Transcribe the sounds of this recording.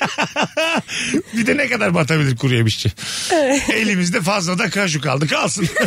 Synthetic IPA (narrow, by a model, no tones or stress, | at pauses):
bid̪ɛnɛkad̪aɾbat̪abilʲiɾkʰuɾujamɯʃt͡ʃʰi | e̞lʲimizd̪ɛfazlˠad̪akaʃ̬uka̰lˠd̪ɯkʰalˠsɯn